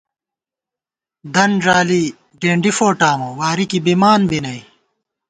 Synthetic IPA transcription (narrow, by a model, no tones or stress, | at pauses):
d̪ɐnʐaːli | ɖeːɳɖifoːʈaːmoːwaːɾikibimaːnbinɐj